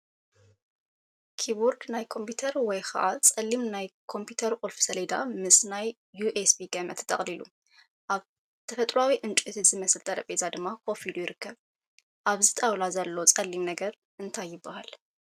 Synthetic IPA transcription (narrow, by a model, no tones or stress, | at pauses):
kʰibuɾɡnajkʰo̞mpʰut̪ʰɐɾwɔjxʰɐ̰ʔat͡sʼɐlːimnajkʰo̞mpʰjut̪ʰɐɾkʼulfsɐled̪a̰mɨsnajː | uʔesbiɡɐmɐt̪t̪ʰʼɐχʼlilṵ | ʔaβ | t̪ʰɐfɐt̪ʼɾuawiʔɨnt͡ʃʼuɨt̪ʰɨz̥ɨmɐsɨlt̪ʼɐɾɐpʼezad̪ɨmːakʰo̞filujɪɾɨkʰːɐβ | ʔaβzɨt̪ʼawlazɐlːot͡sʼɐlːimnɐɡɐɾ | ʔɨnt̪ʰajːɪbːahal